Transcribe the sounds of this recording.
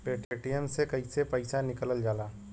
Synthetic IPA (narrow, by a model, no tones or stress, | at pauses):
peːʈeːʈijəmsekɐisepəɪsanɪkələld͡ʒaːlaː